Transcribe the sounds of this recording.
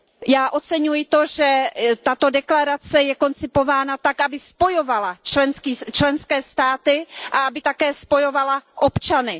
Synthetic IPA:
jaːʔo̞t͡sɛɲujɪt̪oʒɛt̪at̪o̞dɛklaɾat͡sɛjɛko̞nt͡sɪpo̞vaːnat̪akʔabɪspo̞jo̞valat͡ʃlɛnskiːt͡ʃlɛnskɛːst̪aːt̪ɪʔaʔabɪt̪akɛːspo̞jo̞valaʔo̞pt͡ʃanɪ

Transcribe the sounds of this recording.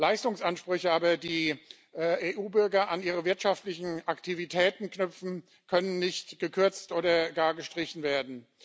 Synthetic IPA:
laɪstʊŋsʔanʃpʁ̥ʏçəʔaːbɐdiː | ʔːʔeːʔuːbʏɐɡɐʔaniːʁ̞əvɪɐtʃaftlɪçn̩ʔaktʰivitʰɛːtn̩knʏp͡fn̩ | kʰœnənːɪçtɡ̥əkʰʏɐt͡stʔoːdɐɡaːɐɡəʃtʁ̥ɪçn̩veːɐdn̩

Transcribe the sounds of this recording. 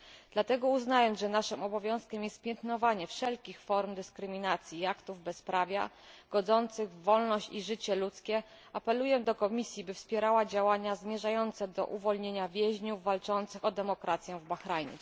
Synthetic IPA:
d̪̥lat̪ɛɡɔuznajɔnʐɛnaʂɘmɔbɔvʲjɔ̃w̃skʲɛmjɛst̪pʲjɛnt̪nɔvaɲɛfʂɛlkʲixfɔɾmd̪ɘskɾɘmʲinat̪sʲjiakt̪uvbɛspɾavʲja̰ | ɡ̥ɔd̪zɔnt̪sɘɣvːɔlnɔɕt͡ɕiʐɘt͡ɕɛlut̪skʲɛ | apɛlujɛd̪ɔkɔmʲisʲjibɘfspʲjɛɾawad͡ʑawaɲazmʲjɛʐajɔnt̪sɛd̪ɔ̰ʔuvɔlɲeɲavʲjɛʑɲuvːalt͡ʂɔnt̪sɘxɔd̪ɛmɔkɾʔat̪sʲjɛ̃vbaxɾajɲɛ̰

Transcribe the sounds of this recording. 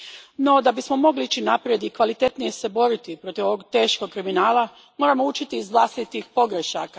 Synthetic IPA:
no̞d̪abismo̞mo̞ɡliit͡ɕinapɾje̞d̪ikʋalit̪e̞t̪nije̞se̞bo̞ɾit̪ipɾo̞t̪iʋo̞ʋo̞ɡt̪e̞ːʃko̞ɡ̚kɾiminaːlˠa | mo̞ːɾamo̞ut͡ʃit̪iːzʋlˠast̪it̪ixpo̞ɡɾeʃa̰ka

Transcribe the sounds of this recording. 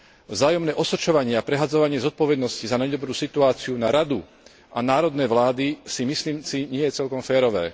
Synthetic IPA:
vzaːjɔmnɛːʔɔsɔt͡ʃɔʋaɲɪɛapɾɛɦad͡zɔʋaɲɪɛzɔt̪̚pɔʋɛd̪nɔscizanajd̪ɔbɾuːsit̪uaːt͡siunaɾad̪u | ʔanaːɾɔd̪nɛːʋlaːd̪isimisliːmsiɲɪɛjɛt͡sɛlkɔmfɛːɾɔʋɛ̰ː

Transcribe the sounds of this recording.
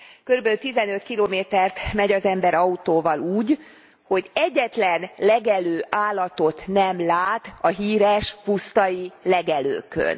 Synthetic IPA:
kø̞ɾybɛlyt̪izɛnøt̪kiloːmeːt̪ɛrt̪mɛɟɒzɛmbɛɾɒut̪oːvɒluːɟ | ho̞ɟɛɟːɛt̪lɛnlɛɡɛløːʔaːlːɒt̪ot̪nɛmlaːt̪ɒɦiːɾɛʃpust̪ɒjilɛɡɛlø̰ːkø̰n

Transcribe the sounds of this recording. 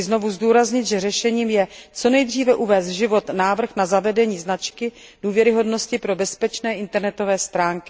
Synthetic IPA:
ɪzno̞vuzduːɾazɲɪt̪ʒɛrɛʃɛɲiːmjɛt͡so̞nɛjd̪r̝iːvɛʔuvɛːst̪ʒɪvo̞t̪naːvr̩xnazavɛdɛɲiːznat͡ʃkɪd̥uːvjɛɾɪɦo̞dno̞scɪpɾo̞bɛspɛt͡ʃnɛːʔɪnt̪ɛɾnɛt̪ovɛːst̪ɾaːŋkɪ

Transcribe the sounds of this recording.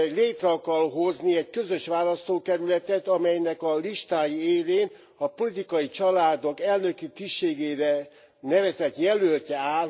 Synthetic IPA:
ɛleːt̪rɒːkɒlɦo̞zniɛɟkø̞zø̞ʃʋaːlɒst̪oːkɛɾylɛt̪ɛt̪ɒmɛjnɛkɒliʃt̪aːjieːleːn | ɒpo̞lit̪ikɒjit͡ʃɒlaːd̪o̞kɛlnø̞kit̪iʃeːɡeːɾɛ | nɛvɛzɛt̪jɛlølc̪ɛaːl

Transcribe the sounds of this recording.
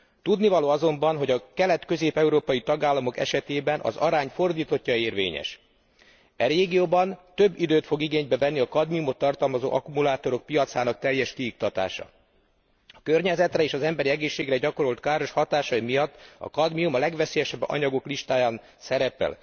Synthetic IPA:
t̪ud̪nivɒloːɒzo̞mbɒnɦo̞ɟɒkɛlɛt̪kø̞zeːpɛuɾoːpɒjit̪ɒɡaːlːɒmo̞kɛ̰ʃɛt̪eːbɛnʔɒ̰zɒ̰ɾaːɲfo̞rd̪iːt̪o̞cːɒeːrvḛːɲɛ̰ʃ | ɛɾeːɡijoːbɒnt̪ø̞bːid̪øːt̪fo̞ɡiɡeːɲbɛvɛnːiɒkɒd̪miumo̞t̪ːɒrt̪ɒlmɒzo̰ːʔɒkumulaːt̪o̞ɾo̞k̚pijɒt̪saːnɒk̚t̪ɛjɛʃkiuk̚t̪ɒt̪a̰ːʃɒ̰ | ɒkø̞rɲɛzɛt̪rɛeːʃɒzɛmbɛɾiɛɡeːʃːeːɡrɛɟɒko̞ɾo̞lt̪kaːɾo̞ʃhɒt̪aːʃɒimijɒt̪ːɒ̰kɒd̪miumɒlɛɡʋɛseːjɛʃɛbːɒ̰ɲɒɡo̞kliʃt̪aːjaːn | sɛɾɛpɛ̰l

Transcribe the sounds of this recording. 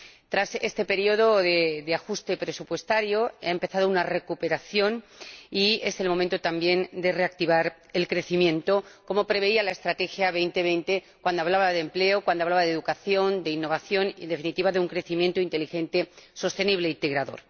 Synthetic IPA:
t̪ɾase̞st̪e̞pe̞ɾio̞ðo̞ðeðeaxust̪e̞pɾe̞supwe̞st̪aɾjo̞aempe̞θað̞ounare̞kupe̞ɾaθjo̞nie̞se̞lmo̞mẽnt̪ot̪ambjẽ̞nd̪e̞re̞ak̚t̪iβaɾ | elkɾe̞θimjẽ̞nt̪o̞ko̞mo̞pɾe̞β̞e̞ialaest̪ɾat̪e̞xjaβe̞jnt̪e̞βe̞jnt̪e̞ | kwand̪oaβlaβaðemple̞okwand̪oaβlaβaðeðukaθjo̞nd̪e̞inːo̞βaθjo̞nḛnd̪efinit̪iβaðeuŋkɾe̞θimjent̪oint̪e̞lixẽ̞nt̪eso̞st̪e̞niβ̞le̞int̪eɣɾaðo̞̰ɾ

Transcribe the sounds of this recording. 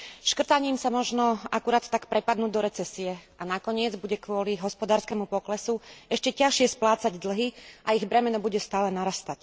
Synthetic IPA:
ʃkr̩t̪aɲiːmsamɔʒnɔakuɾaːt̪ːakpɾɛpad̪nuːɟd̪ɔɾɛt͡sɛsiɛ | anakɔɲɪɛd͡zbuɟɛkʋʊɔliɦɔspɔd̪aːɾskɛːmupɔklɛsuɛʃcɛcaʃɪɛsplaːt͡saɟd̪l̩ɦiʔaiɣbɾɛmɛnɔbuɟɛst̪aːlɛnaɾast̪ac

